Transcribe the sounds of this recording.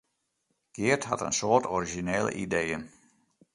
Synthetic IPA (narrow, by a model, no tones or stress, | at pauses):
ɡ̥ɪətha̰tə̰nsoːətɔɾiʒineːlə̰ʔidejən